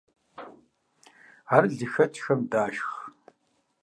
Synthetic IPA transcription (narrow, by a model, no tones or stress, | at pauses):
arɮɨxɐt͡ʃʰʼxɐmdaːʃx